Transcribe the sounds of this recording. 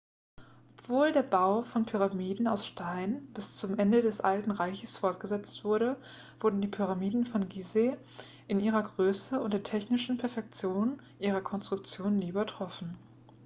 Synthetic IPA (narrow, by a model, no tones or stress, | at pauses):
ʔʔɔpv̥oːldeːɐbaʊfɔnpʰyʁ̞amiːdn̩aʊsʃtaɪnb̥ɪst͡sʊmʔɛndədɛsʔaltn̩ʁaɪçəsfɔɐt̚ɡ̥əzɛt͡stv̥ʊɐɾə | v̥ʊɐdn̩diːpʰyʁamiːdn̩fɔnɡize | ʔɪnʔiːʁɐɡʁøːsəʊnt̚d̥eːɐtʰɛçnɪʃn̩pʰɛɐfɛk̚t͡sjoːn | ʔiːʁ̞ɐkʰɔnstʁ̥ʊk̚t͡sjoːnːiːybɐtʁ̥ɔfn̩